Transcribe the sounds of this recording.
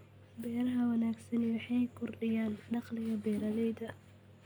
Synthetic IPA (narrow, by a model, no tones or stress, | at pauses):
bɛːɾɐɦɐwɐnaːɡsɐnwɑħɑjkʰʊrɖɪjaːnɖɑqlɪɣɐbɛːɾɐlɛjd̪ɐ